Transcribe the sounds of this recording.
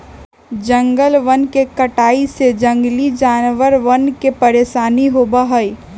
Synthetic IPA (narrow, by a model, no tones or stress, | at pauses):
d͡ʒə̃ŋɡəlʋənkekəʈaːised͡ʒə̃ŋɡlid͡ʒaːnʋəɾʋənkepɐɾeːʃaːniɦoːbaɦəi